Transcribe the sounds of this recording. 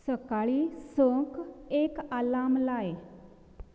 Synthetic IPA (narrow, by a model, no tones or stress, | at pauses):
səkaɭiːsəkekalamlae